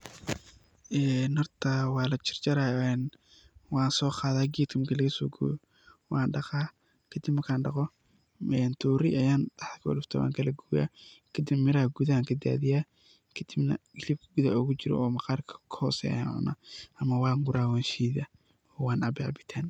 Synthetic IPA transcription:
ʔɛːnhɔrt̪ʰɐwɑːlɐt͡ʃɪ̥rt͡ʃɐɾaːɛn | wɑːnsɔːqɑːðaːɡiːt̪kʰɐmkʰɐlɐɣɐsɔːɡṵː | wɑːnɖɑqaː | kʰɐd̪ɪbmɐrkʰaːnɖɑqɔ | ɛːnt̪ʰuːɾɪʔɐjaːnt̪ɐħkʰɔlʊft̪ʰɐwa̰ːŋkʰɐlɐɡuːja̰ːkʰɐd̪ɪmɪɾɐɐɡuðɐaːŋkʰɐd̪a̰ːðɪjaː | kʰɐd̪̥ɪbnɐ̰ɡɪlib̚kʰɐɡuðaʊɣʊt͡ʃɪɾɔ̰ʔɔːmɐqɑːrkʰɐ̥kʰɐhɔːsɛ̰ja̰nʕʊ̰na̰ːɐmɐwɑːŋɡʊɾaːwaːnʃiːðɐ | ɔːwɑːnɐbɛʕbɪt̪ʰɛːn

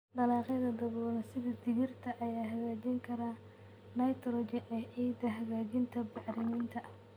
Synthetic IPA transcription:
ɖɐlɑːqɛðɐd̪ɐɣɔːnɐsɪðɐd̪ɪɣɪrt̪ʰɐʔɐjaːɦɐɣaːd͡ʒɪŋkʰɐɾaː | nɐjt̪ʰɾɔd͡ʒɪnʔɛːʕiːd̪ɐɦɐɣaːt͡ʃɪnt̪ʰɐbɑħɾɪmɪnt̪ʰɐʔ

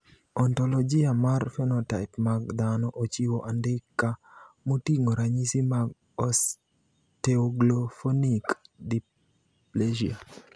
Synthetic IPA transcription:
ɔntɔlɔd͡ʒɪamarfɛnɔtaɪpmaɡd̪anɔʔot͡ʃiwoʔandɪkːa | motiŋoɾaɲisimaɡ̚ | ɔs | teɔɡlofonikdi | pled͡ʒia

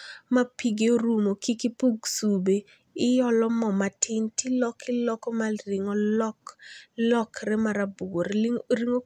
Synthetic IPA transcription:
mapiɡeɾumokikipuɡsube | ɪjɔlɔmɔmatʰɪntilɔkɪlɔkɔmariŋɔlɔklɔkɾɛmaɾabuɡoɾɾiŋo

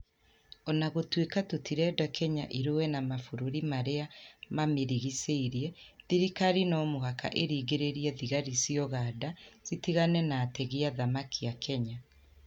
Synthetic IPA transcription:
ɔnaɣotwekatutʰiɾɛdakʰɛɲaʔiɾowɛnamafoɾoɾimaɾeamameɾiɣiseiɾjɛðiɾikaɾinɔmoɦaka̰ʔeɾiːɡeɾeɾiɛðiɣaɾisiɔɣaːdaz̥itiɣanɛnaːtɛɣiaðamakʰiakʰɛɲa

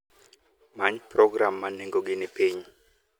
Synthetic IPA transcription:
maɲprɔɡramːaneŋɡɔɡ̬inipʰeːɲu

